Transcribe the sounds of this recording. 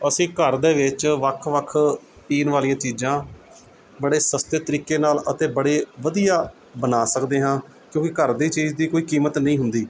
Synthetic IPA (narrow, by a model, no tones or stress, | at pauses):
əsĩːkəɾd̪eːʋɪt͡ʃʋəkʰʋəkʰ | piːnʋaːlijãːt͡ʃiːd͡ʒãː | bəɽeːsəst̪eːt̪əɾiːkeːnaːlət̪ẽːbəɽeːʋəd̪ijaː | bənaːsəkd̪eːɦãː | kjõːkɪkəɾd̪iːt͡ʃiːd͡ʒd̪iːkoːiːkiːmət̪nəĩːɦʊnd̪iː